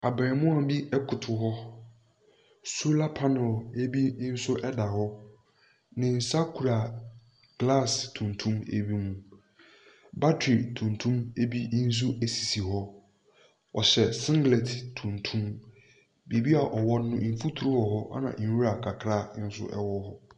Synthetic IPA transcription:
a˨bɛ˨ɾmʊ̃˦a˨bi˦ɛ˦kʰʊ˨tʰʊ˨ɦɔ˦ | su˦la˦pʰa˦nʊ̃˨le˦bi˦n̩˦sʊ˦ʔɛ˦da˨hɔ˦ | nɪ̃˨n̩˨sa˦kʰu˨ɾa˨ | ɡ̥la˦˨stʰũ˨ntʰũ˦mḛ˦bi˦mũ˦ | ba˦tʰɾi˨tʰũ˨n˨tʰũ˦me˦bi˦n̩˦s̬u˦e˨si̥˨si˨ɦɔ˦ | ɔ˨ɕɛ˨sɪ̃˦ŋɡlɛ˨tʰtʰũ˨ntʰũ˦m | be˨bi˦a˨ʔɔ˨wɔ˦nʊ̃˦˨fu˦tʰu˨ɾu˦wɔ˨ɦɔ˦ʔa̰˦nã̰˨˦u˦ɾa˨kʰa˨kʰɾa˦n̩˦sʊ̰˦ʔɛ̰˦wɔ˦hɔ˦

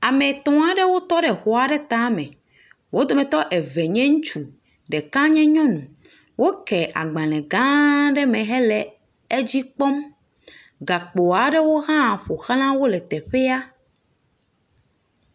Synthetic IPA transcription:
a˨mẽ˨t̪ɔ̃˨a˨ɖe˦wo˦t̪ɔ˦ɖɛ˨xo˨a˨ɖe˦t̪ã˦mɛ̰̃˨ | wo˦d̪o˨mɛ̃˨t̪ɔ˦ʔɛ˨vɛ˨ɲɛ̃˦ŋũ˦t͡ʃu˨ | ɖe˨kã˦ɲɛ̃˦ɲɔ̃˦nũ˨ | wʔo˦kɛ˨ʔa̰˨ɡ͡bã˨lɛ̃˨ɡã˦ɖɛ˦mɛ̃˨ɦɛ˦lɛ˨ | e˦d͡ʑi˦k͡pɔ˦m | ɡa˨k͡po˨a˨ɖe˦wo˦ɦã˦˨ɸo˨xl̃ã˦wo˦lɛ˨t̪ɛ˨ɸe˦a˦

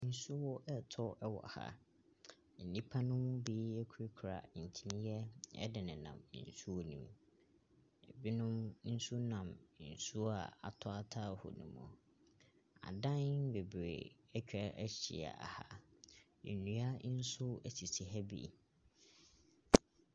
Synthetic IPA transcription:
n̩˦sʊ˦wɔ˦ʔɛ˦tʰɔ˦ʔɛ˦wɔ̰˨ha̰˦˨ | n̩˨nĩ˦pʰa˦nʊ̃˦m˦biː˦ɛ˦kʰu˦ɾi˦kʰɾa̰˨n̩˨tʰi˦nĩ˦jɛ˦ɛ̰˦dɪ˨nɪ̃˨nã̰˨m˦n̩˨su˦wɔ˦nĩ˨m | ɛ˨bi˦nʊ̃˦mn̩˦su˦nã˨m˦n̩˨su˦a̰˨a̰˨tʰʊ˦a˦tʰa˦˨hʊ̰˨nṵ̃˨mɔ̰̃˨ | a̰˨dã˦nbe˨bɾḛ˨ | ɛ˦t͡ɕᶣɛ˨˦ʔɛ˦ɕḭ˨a̰˨a̰˨ha˦ | ɛ̰˨nũ˨a˦n̩˦sʊ˦ɛ˨si˨si˨ɦɛ˦bḭ˦˨

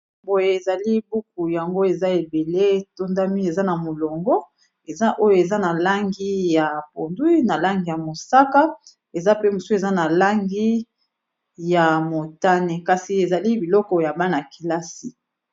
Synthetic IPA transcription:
bo˨je˨e˨za˨li˦bu˦k̚u˨ja˨ŋɡo˦e˨za˦e˨be˨le˦to˦nda˦mi˦e˨za˦na˨mo˨lɔ˨ŋɡɔ˦ | e˨za˦ʔo˦jo˨e˨za˦na˨la˦ŋɡi˦ja˨po˨ndu˦i˦na˨la˦ŋɡi˦ja˨mo˨sa˦ka˦ | e˨za˦pe˦mu˨so˦e˨za˦na˨la˦ŋɡi˦ | ja˨mo˨ta˦ne˨ka˨si˨e˨za˨li˦bi˨lɔ˦kɔ˨ja˨ba˦na˨ki˨la˦si˨

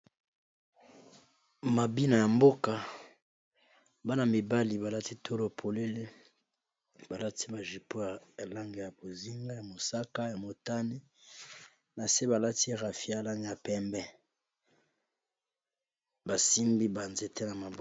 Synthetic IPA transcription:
ma˨bi˦na˨ja˨mbo˦ka˨ | ba˦na˨mi˨ba˦li˨ba˨la˦ti˦tʰo˦lo˨pʰo˨le˦le˦ | ba˨la˦ti˦ba˨ʒi˨po˦ja˨ja˨la˦ŋɡe˨ja˨bo˨zi˦ŋɡa˦ja˨mo˨sa˦ka˦ja˨mo˨ta˦ni˦ | na˨se˦ba˨la˦ti˦ʁa˨fi˦a˨la˦ŋ˨ja˨pɛ˦mbɛ˦ | ba˨si˦mbi˦ba˨nze˦te˦na˨ma˨b

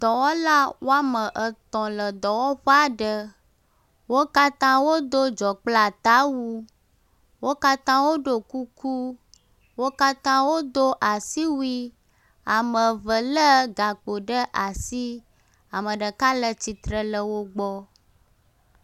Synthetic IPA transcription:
d̪̥ɔ˨wɔ˦la˦wo˦a˦mə˨ʔə˨t̪ɔ̃˨lə˨d̪ɔ˨wɔ˦ɸə˦a˨ɖə˦ | wo˦ka˦t̪ã˦wo˦d̪o˦d͡ʒɔ˨k͡pla˨t̪a˦wu˦ | wo˦ka˦t̪ã˦wo˦ɖo˦ku˦kʰu˦ | wo˦ka˦t̪ã˦wo˦d̪o˦ʔa˨si˦wu˦i˦ | a˨mə˨və˨lə˦ɡa˨k͡po˨ɖə˦ʔa˨si˦ | a˨mə̃˨ɖə˨ka˦lə˦t͡ɕi˨t̪ɾə˦lə˦wo˦ɡ͡bɔ˦

